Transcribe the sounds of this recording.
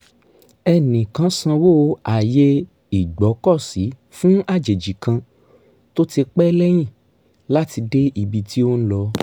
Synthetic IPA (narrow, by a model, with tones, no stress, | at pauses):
ɛ˧nĩ˨kã˧˦sã˧wo˦a˨je˦ | i˨ɡ͡bɔ˨˦kɔ˦˨si˨˦ | fũ˦a˦˨d͡ʒe˨d͡ʒi˨kã˧ | to˦ti˧k͡pɛ˦lɛ˦j̃ĩ˦˨ | la˦ti˧de˦ʔi˧bi˧ti˦o˦ñ̩˦lɔ˧˦